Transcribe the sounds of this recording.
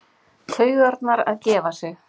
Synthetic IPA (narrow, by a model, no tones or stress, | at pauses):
t̪ʰœːɥɣaɾt̪naɾa̰ðcɛːvasɛx